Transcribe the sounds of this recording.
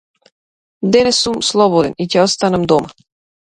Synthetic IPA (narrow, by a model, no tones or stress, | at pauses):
d̪ɛnɛsumslˠɔbod̪ɛnicɛost̪anamd̪oma